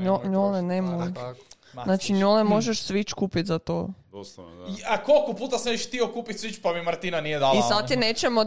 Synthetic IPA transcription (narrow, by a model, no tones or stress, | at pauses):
oɲolenemoj | znat͡ʃiɲolemo̞ʒeʃsʋit͡ʃkuːpit̪zat̪o̰ | akolkopuːt̪asnet͡ʃiʃt̪iokuːpit̪ʲsʋit͡ʃpamimaɾt̪inanijed̪alisad̪̚t̪ineːt͡ʃemo